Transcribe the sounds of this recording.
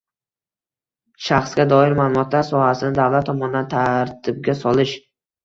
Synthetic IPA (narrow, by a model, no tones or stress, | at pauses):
ʃaχsɡʲad̪ɒɪɾmaːlˠʊmɒt̪ʰlaɾsɒhasɪnɪd̪awlˠat̪ʰːɒmɒnɪd̪ant̪ʰaɾt̪ʰɪb̚ɡʲasɒlˠɪʃ